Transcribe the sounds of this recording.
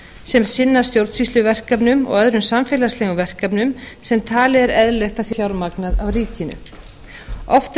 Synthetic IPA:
sɛmsɪnːaɾ̥st̪jowɾt̪sist̪ʏvɛr̥kapnʏmɔ̰ɣœðɾʏmsamfɛːlaslɛɣʏvɛr̥kapnʏmsɛmt̪ʰaːlɪɛɾɛðlɛxt̪asiçawɾmaknaðawriːcɪnʏ̰ | ɔft̪

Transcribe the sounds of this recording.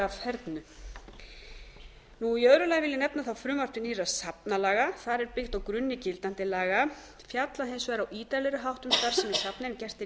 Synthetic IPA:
avfɛɾt̪nʏ | nujœðɾʏlajɣvɪlːɪnɛpnaθawfɾʏːmar̥t̪ɪnirasapnalaːɣaθaɾɛɾpɪxt̪awkɾʏnːɪcɪlt̪an̥t̪ɪlaːɣa | fjat̪laɦejnsvɛɾawiːt̪alɛɾʏɦawht̪ʏmst̪aɾ̥sɛmɛ̥sapnɛcɛr̥t̪ɪ

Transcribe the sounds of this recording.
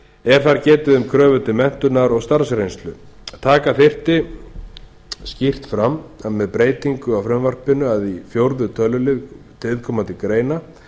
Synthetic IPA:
ɛɾ̥θaɾcɛːt̪ɪðʏmkʰɾœːvʏt̪ɪmɛn̥t̪ʏnaɾɔɣst̪aɾ̥sɾejnst̪lʏt̪ʰaːkaθɪr̥t̪ɪ | scir̥t̪fɾamːamɛðpɾeːjt̪iŋkʏawfɾɛmvar̥pɪnʏaðifjowɾðʏt̪ʰœlːʏlɪð | t̪ʰɪlðkʰɔːmant̪ɪkɾeːjna

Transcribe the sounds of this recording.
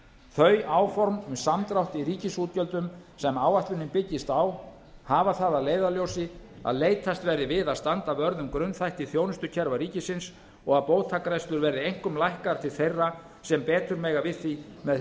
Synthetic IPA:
θœɥaːwfɔɾmsamt̪ɾawht̪iɾiːcɪsuːt̪̚cœlt̪ʏmsɛmaːwaht̪lʏnːɪmpɪcːɪst̪aw | havaθaðaðleːjðaljowsɪ | a̰ðleːjt̪ʰast̪vɛɾðɪvɪðaðst̪ant̪aœɾðʏmkɾʏnθajht̪iθjownʏst̪ʏcʰɛɾvaɾiːcɪsɪns | ɔɣaðpowðt̪ʰakaɾɛst̪ʏɾvɛɾðɪejŋ̥kʏmlajhkaɾt̪ʰɪlθejrːa | sɛmpɛːt̪ʏɾmɛːɣavɪðθimɛ

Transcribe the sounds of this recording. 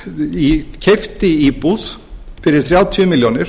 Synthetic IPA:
icʰɛft̪ɪiːpuːsfɪɾɪt̪ʰɾɛat̪ʰyːmɪljoːnɪɾ̥

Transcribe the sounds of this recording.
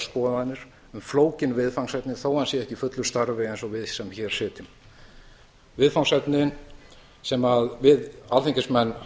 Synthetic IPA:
spɔːɛnːʏɾ̥ | ʏmfloːwcɪnvɪðfawŋsɛt̪nɪθoːwhansjɛɛhcɪfʏt̪lʏ̥st̪aɾvɪɛjnsɔvɪðsɛmçɛːɾ̥sɪːt̪ʏm | vɪðfawŋsɛt̪nɪn | sɛmaðvɪðalθiɲcɪsmɛnː

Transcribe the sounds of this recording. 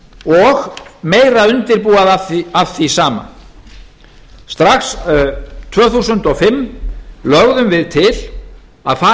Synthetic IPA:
ɔɣmeːjraʏnt̪ɪɾpuːaðaθafθisaːma̰ | st̪ɾaxs | t̪ʰvœːθuːsʏnt̪ɔɣfɪmːlœɣðʏmvɪðt̪ʰɪl | aðfa

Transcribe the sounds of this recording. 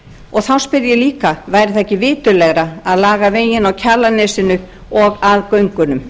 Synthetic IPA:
ɔɣθawspɪðjɛliːkavaːjɾɪθahcɪvɪːt̪ʏlɛɣɾaaðlaːɣaveːjɪnawcʰalanɛːsɪnʏ | ɔɣaðkœɥŋkʏnʏm

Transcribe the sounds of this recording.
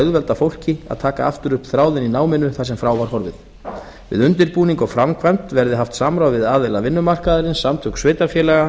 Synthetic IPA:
œðvɛlt̪afowl̥cɪa̰ðt̪ʰaːkaaft̪ʏɾʏhpθɾaːwðɪninaːwmɪnːʏθasɛmfɾaːwvaɾ̥ɦɔɾvɪ̰ð | vɪ̰ðʏnt̪ɪɾpuːniŋkɔfɾamkʰvajmt̪vɛɾðɪɦaft̪saːmɾawvɪðaːðelavɪnːʏmar̥kaðaɾɪnsamt̪ʰʏksveːjt̪aɾfjɛːlɛɣa

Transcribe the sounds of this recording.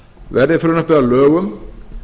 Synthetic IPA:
vɛɾðɪfɪɾʏnʏhpɪðalœːɣʏm

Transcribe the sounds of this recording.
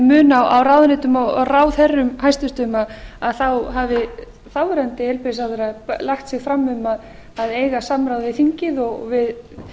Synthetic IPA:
mʏːnawawrawðnɪt̪ʏmɔraːwθɛrːʏmhajst̪ʏst̪ʏmaðaðθawɦavɪ | θawɛɾant̪ɪɛlpɪsawθɛɾaðplaxt̪sɪɣfɾamːʏmaðː | ðeːjɣasamɾawðvɪθiɲcɪðɔɣ̰vɪð

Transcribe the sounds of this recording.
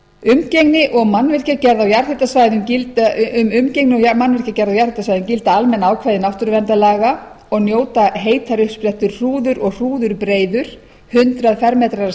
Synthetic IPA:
ʏmcejŋnɪʔɔɣmanvɛr̥cacɛɾðawjaɾ̥θet̪asvaːjðʏmcɪlt̪aʏmʏmceŋknɪɔmanvɪr̥cacɛɾðawjaɾ̥hɪt̪asvajðʏmcɪlt̪aalmɛnaːwkʰvaːjðɪnawft̪ʏɾvɛnt̪alaːɣa | ɔɣnjoːwt̪aɦeːjt̪ʰaɾʏhsplɛht̪ʏɾ̥r̥uːðʏɾɔɣr̥uːðʏɾpɾeːjðʏɾ̥ | hʏnt̪ɾaðfɛɾmɛːt̪ɾa

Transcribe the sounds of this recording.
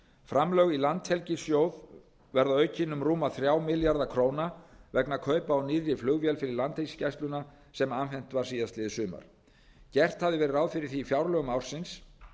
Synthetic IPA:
fɾamlœɣilant̪hɛlcɪsjoːwð | vɛɾðaœɥcɪnʏmruːmaθɾjaːwmɪljaɾðakʰɾoːwnavɛknakʰœːɥpaːwniːðɾjɪflʏɣvjɛlfɪɾɪɾlant̪hescajst̪lʏna | sɛmanfɛn̥t̪vaɾ̥siːðast̪lɪðsʏːma̰ɾ̥ | cɛr̥t̪havðɪvɛːɾɪɾaːwðfɪɾɪɾ̥θiːfjawɾlœːɣʏmawr̥sɪns

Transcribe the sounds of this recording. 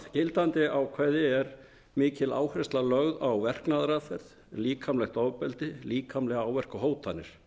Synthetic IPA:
cɪlt̪ant̪ɪʔawkʰvɛðɪɛɾ | mɪːcɪla̰ːwhɾɪst̪lalœɣðawvɛr̥knaðɾaθɛð̥ | liːkʰamlɛxt̪ɔwpɛlt̪ɪliːkʰamlɛɣawvɛr̥kʏɦoːwt̪ʰanːɪɾ̥

